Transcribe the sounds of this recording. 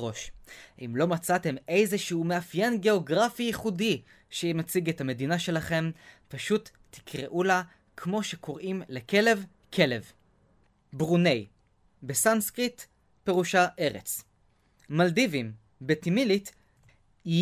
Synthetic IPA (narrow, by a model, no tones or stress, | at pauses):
ʁo̞ʃimlo̞mat͡sate̞me̞jzeʃuume̞afjenɡe̞o̞ɡʁafijiχudi | ʃeimat͡siɡethame̞dinaʃe̞laχe̞mpaʃut̪ːi̥kʁḛʔula | kʰmo̞ʃe̞kʰo̞ʁimleke̞le̞v | kʰe̞le̞v | bʁunej | besanskʁit | pe̞ʁuʃaʔe̞ʁḛt͡s | maldivim | betimilit